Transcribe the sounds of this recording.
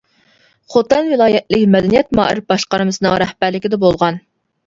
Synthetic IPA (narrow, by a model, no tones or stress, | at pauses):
χot̪ɛnvɨlˠɑːjɛt̪lɪkʲmɛd̪ɛnijɛt̪mɑ̰ːʔɪ̰ɾbɑʃqɑɾmɨsɨnɨŋɾɛhbæɾlɪkʲɪd̪ɛbolˠʁɑn